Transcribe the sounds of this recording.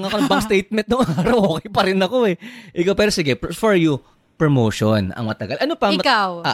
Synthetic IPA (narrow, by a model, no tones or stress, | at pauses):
ŋɐkoɐŋbɐŋst̪ejt̪̚mɛnt̪̚nʊŋɐŋaːɾɐwʔoːkɛjpɐɾɪnɐkoɛʔɪkawpɛːɾosɪɡɛpfoɹju | pɹomoːʃonɐ̰ŋmɐt̪ɐɡalʔɐnopɐmɐkawa